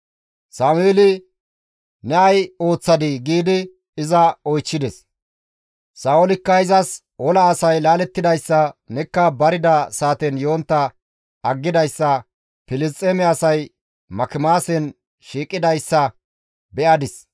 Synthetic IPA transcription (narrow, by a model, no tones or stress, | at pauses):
saːmʊeːlɪ | nɛɐjo̞ːt͡sːɐd̪ɪɡiːd̪ɪ | ɪzɐɔjt͡ʃːɪd̪ɛs | saːɔlɪkːɐɪzɐs | ɔlɐːsɐjlaːlɛt̪ːɪd̪ɐjsːɐnɛkːɐbɐɾɪd̪ɐsaːt̪ɛnjo̞ːnt̪ːɐ | ɐɡːɪd̪ɐjsːɐ | pɪlɪst͡sʼːɛmɛɐsɐj | mɐkɪmaːsɛn | ʃiːkʼːɪd̪ɐjsːɐ | bɛʔɐd̪ɪs